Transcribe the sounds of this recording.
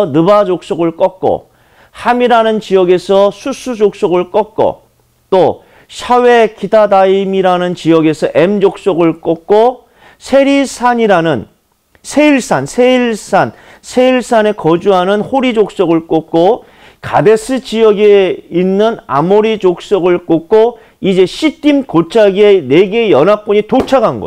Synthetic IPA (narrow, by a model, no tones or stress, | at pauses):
ʌnɯbad͡ʑok̚s͈oɡɯɭk͈ʌk̚k͈o̰ | hamiɾanɯnt͡ɕijʌɡe̞sʰʌsʰusʰud͡ʑok̚s͈oɡɯɭk͈ʌk̚k͈o̰ | t͈o | ɕʰawe̞kidadaimiɾanɯnt͡ɕijʌɡe̞sʰʌʔe̞md͡ʑok̚s͈oɡɯɭk͈ʌk̚k͈o | sʰe̞ɾisʰaɲiɾanɯn | sʰe̞iɭs͈ʰansʰeiɭs͈ʰan | sʰe̞iɭs͈ʰane̞kʌd͡ʑuɦanɯnhoɾid͡ʑok̚s͈oɡɯɭk͈ok̚k͈o | ka̰de̞s͈ʰɯt͡ɕijʌɡeinːɯna̰moɾid͡ʑok̚s͈ʌɡɯɭk͈ok̚k͈o | id͡ʑe̞ɕʰit͈imkot͡ɕʰaɡieneɡe̞jʌnɦak̚p͈uɲitot͡ɕʰaɡanɡʌ̰